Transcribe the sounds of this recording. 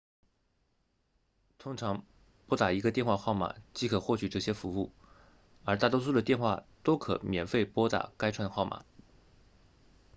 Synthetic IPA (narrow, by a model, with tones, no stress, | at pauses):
t̪ʰʊ˥ŋʈ͡ʂʰɑ˧˥ŋ | pwɔ˥t̪a˨˩i˧˥ɡə˧t̪jɛ˥˧nxwa˥˧xɑ˥˩ʊma̰˨˩t͡ɕi˥kʰɤ˨˩xwɔ˥˩t͡ɕʰy˨˩ʈ͡ʂɤ˥˩ɕjɛ˥fu˧˥u˥˩ | ə˞˧˥t̪̬a˥˩t̪wɔ˥s̬u˥d̪ə˨t̪jɛ˥˧nxwa˥˩t̪o˥ʊkʰɤ̰˨˩mjɛ˨˩nfe˥˩ɪpwɔ˥t̪a̰˨˩ka˥ɪʈ͡ʂʰwa˧˥nxɑ˥˩ʊmʔa̰˨˩˦